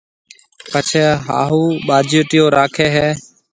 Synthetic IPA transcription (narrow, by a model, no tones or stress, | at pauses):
pət͡ʃʰeːɦa̰ːɦuːɓaːd͡ʒʱjoːʈɪjoːɾaːkʰeːɦɛː